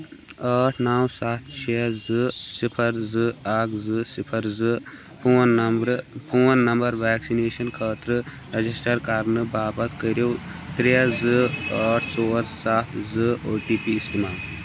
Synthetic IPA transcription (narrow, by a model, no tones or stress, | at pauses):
əːʈʰnaːwsaːt̪̚ʰt͡ʃʰeːzɨsipʰɐɾzɨaːkʰzɨsipʰɐɾzɨ | pʰuːnɐmɾpʰuːnːɐmbɐɾʋɛːksineːʃɐnkʰəːt̪ɾɨ | ɾɐd͡ʒisʈɐɾkɐɾnɨbaːbɐt̪kəɾjoːt̪ɾijɐzɨɐːʈʰt͡soːɾsaːt̪ʰzɨoːʈiːpiːst̪imaːl